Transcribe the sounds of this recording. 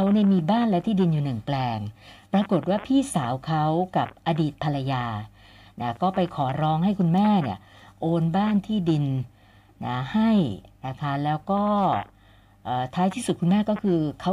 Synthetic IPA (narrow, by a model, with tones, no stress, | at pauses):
kʰa˦˥wni˥˩miː˧baː˥˩˨nlɛː˦˥wt̪ʰiː˥˩di˧njuː˨˩nɯ˨˩ŋplɛː˧ŋpɾa˧ko˨˩t̪̚waː˥˩pʰiː˥˩saː˩˦wkʰa˦˥wka˨˩p̚ʔa˧diː˨˩t̪̚pʰa˧la˧jaː˧ | na˦˥˩kɔː˥˩pa˧jkʰɔː˩˦ɾɔː˦˥ŋɦa˥˩jkʰu˧nmɛː˥˩ni˦˥˩ɐʔoː˧nbaː˥˩nt̪ʰiː˥˩di˧n | na˦˥ha˥˩jna˦˥kʰa˦˥lɛː˦˥wkɔː˥˩ | ʔɤː˨˩t̪ʰaː˦˥jt̪ʰiː˥˩su˨˩ku˧nmɛː˥˩kɔː˥˩kʰɯː˧kʰa˦˥w